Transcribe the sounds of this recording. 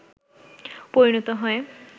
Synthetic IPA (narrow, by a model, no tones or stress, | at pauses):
poɾinɔt̪ɔɦɔe